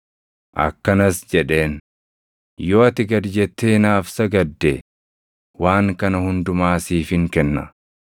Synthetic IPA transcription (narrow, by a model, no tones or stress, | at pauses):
ʔɐ̰kːɐnɐsd͡ʒɛᶑe̞ːn | jo̞ːɐt̪ɪɡɐɾd͡ʒɛt̪ːeːnaːfsɐɡɐd̪ːɛ | waːŋkɐnɐhʊnd̪ʊmaːsiːfɪŋkɛnːɐ̰